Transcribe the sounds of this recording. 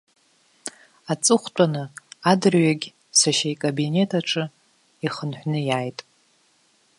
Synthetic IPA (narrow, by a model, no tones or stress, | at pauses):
at͡sʼɨχʷtʼanɨadɨrɥaɡʲ | saʃajkʼabine̞tʰaʈ͡ʂʰʼɨ | iχənħʷᶣnɨjaːjtʼ